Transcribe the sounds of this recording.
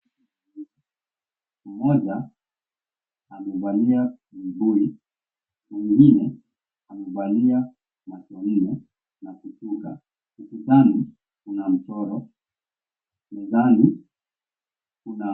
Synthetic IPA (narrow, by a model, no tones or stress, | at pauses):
m̩mɔʄa | amɛvalia | m̩bui | miŋɡinɛ | amɛvalia | matɔn̩nɛ | nakutuka̰ | sikutanu | kunam̩tɔɾɔ | mɛzanu | kuna